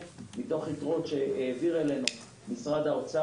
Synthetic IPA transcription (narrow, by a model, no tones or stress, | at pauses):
mit̪o̞χitʁo̞t̪ʃeeːviʁele̞nu | misʁad̪aot͡sa